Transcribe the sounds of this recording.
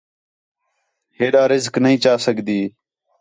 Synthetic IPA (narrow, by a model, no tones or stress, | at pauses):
ɦeːɗaːɾɪzknəɦĩːt͡ʃaːsəɡd̪iː